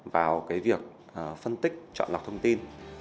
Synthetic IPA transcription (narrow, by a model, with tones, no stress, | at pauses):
vaː˨˩wkaː˨˦jvi˨˩ək̚ | ʔəː˨˩fə˧nt̪ï˦˥k̟̚t͡ɕɔ̰˧˨nla˨˩k͡p̚t̪ʰə˧wŋ͡mt̪i˧n